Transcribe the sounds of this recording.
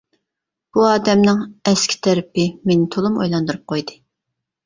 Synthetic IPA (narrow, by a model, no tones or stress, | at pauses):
b̥uɑːd̪ɛmnɪŋɛskʲʰi̥t̪ʰɛɾɪpɪmenɪt̪ʰolˠumo̰jlˠɑnd̪uɾup̚qʰojd̪ɨ